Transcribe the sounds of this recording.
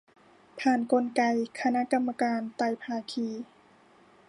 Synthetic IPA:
pʰaː˧˩nko˧nka˧jkʰa˧na˦˧˥ʔka˧mːa˧kaː˧nt̪a˧˩jpʰaː˧kʰiː˧˩

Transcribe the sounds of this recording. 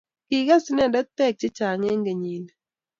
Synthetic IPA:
ki˨ɡa˦si˦nɛ˦˨da˦tɛ˦˨k̚t͡ʃɪ˦t͡ʃa˨ŋe˦ŋɡe˨ɲi˨n˨

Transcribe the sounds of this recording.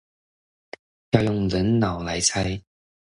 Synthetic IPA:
ja˥˧wjʊ˥˨˩ŋlə˨˥nnɐ˨˩wlɐ˨˥jt͡sʰɐ˥˧˥j

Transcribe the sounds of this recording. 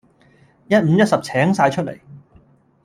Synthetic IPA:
jɐ˥t̚m̩˨˧jɐ˥t̚sɐ˨p̚t͡sʰɛː˨˥ŋsaː˧jt͡ʃʰɵ˥t̚lḛ˨˩j

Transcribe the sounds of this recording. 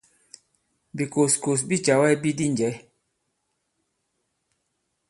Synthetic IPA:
bi˨ko˨sko˨s̬bi˦t͡ʃa˨wɛ˦bi˦di˦n˨d͡ʒɛ˨˦

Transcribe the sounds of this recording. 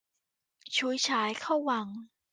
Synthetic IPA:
t͡ɕʰu˧˦jt͡ɕʰaː˨˩˦jkʰa˥˩wːa˧˦ŋ

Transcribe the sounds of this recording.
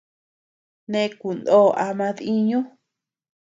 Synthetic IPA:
nẽ˧˦˧ku˨nd̪o˦˨ʔa˧mã˧ði˦ɲũ˦

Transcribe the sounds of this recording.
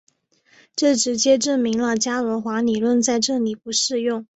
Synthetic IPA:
ʈ͡ʂɤ˥˩ʈ͡ʂɻ̩˧˥t͡ɕjɛ˥ʈ͡ʂə˥˩nmi˧˥ŋlə˧t͡ɕja˥ə˧˥xwa˧˥li˨˩lwə˥˧nt͡sa˥˧ɪʈ͡ʂɤ˥˩li˨˩pu˧˥ʂɻ̩˥˧jʊ˥˩ŋ

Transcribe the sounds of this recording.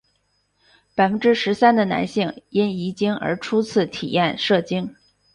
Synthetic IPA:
pa˨˩ɪfə˥nʈ͡ʂɻ̩˥ʂɻ̩˧˥sa˥nd̪ə˨na̰˧˥nɕi˥˩ŋi˥ni˧˥t͡ɕi˥ŋə̰˞˧˥ʈ͡ʂʰu˥t͡sʰɹ̩˥˩t̪ʰḭ˨˩jɛ̰˥˧nʂɤ˥˩t͡ɕi˥ŋ

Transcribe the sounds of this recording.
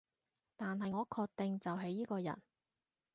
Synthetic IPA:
t̪aː˨nɦɐ˨jŋɔː˨˧kʰɔː˧k̚t̪ɪ˨ŋt͡sɐ˨wɦe˨˧˥jːiː˥kɔː˧jɐ̰˨˩n

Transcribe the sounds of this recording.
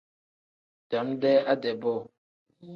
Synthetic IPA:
da˨˦mdɛ˦a˦dɛ˨bo˦˨

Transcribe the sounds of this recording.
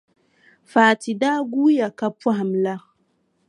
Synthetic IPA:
faː˨ti˨da˦ɡu˦ja˨ka˦pa˦ɦa˨mla˦ɣ

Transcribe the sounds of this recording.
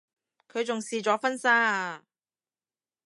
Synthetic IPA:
kʰɵ˨˧ɥt͡sʊ˨ŋsiː˨t͡sɔː˨˧˥fɐ˥nsaː˥

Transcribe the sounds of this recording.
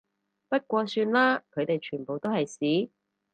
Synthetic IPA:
pɐ˥t̚kʷɔː˧syː˧nlaː˥kʰɵ˨˧ɥt̪e˨jt͡ʃʰyː˨˩npo˨wt̪o˥whɐ˨jsiː˨˥

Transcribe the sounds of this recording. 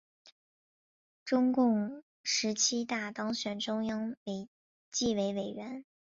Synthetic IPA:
ʈ͡ʂʊ˥ŋkʊ˥˩ŋ | ʂɻ̩˧˥t͡ɕʰi˥t̪a˥˩t̪ɑ˥ŋɕɥɛ˨˩nʈ͡ʂʊ˥ŋjɑ˥ŋwe˧˩ɪ | t͡ɕi˥˩we˧˥ɪwe˨˩ɪɥɛ˧˥n

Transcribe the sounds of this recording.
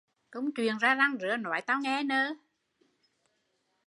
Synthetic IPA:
k̪ʊ̰˧˥wŋ͡mt͡ɕwi˨˩ənzaː˧za˧ŋzɨ̰˧˩ənɔ̰˨˧˩jt̪aː˧wŋɛ˧nəː˧

